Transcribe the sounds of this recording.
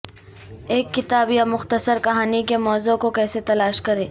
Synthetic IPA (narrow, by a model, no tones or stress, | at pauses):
eːkːɪt̪aːbjamʊxt̪əsəɾkɐɦaːnikemɔːzõkokɛːset̪ɐlaːʃkɐɾeː